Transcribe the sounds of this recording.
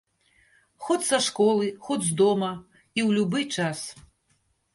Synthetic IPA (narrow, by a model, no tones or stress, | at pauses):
xɔt͡sʲsɐʂkɔlˠɨxɔd͡zʲzd̪ɔmɐ | iwlʲubɨt͡ʂas